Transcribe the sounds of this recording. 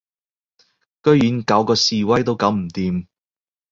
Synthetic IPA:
kɵ˥jjyː˨˥nkɐ˨˥wkɔː˧siː˨˧wɐ˥jt̪̬o˥wkɐ˨˧˥wm̩˨˩t̪iː˨m

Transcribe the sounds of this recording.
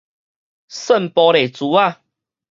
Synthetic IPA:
sə˥˨npɔ˧˦ɾe˨˩t͡su˨˦a˥˧˨

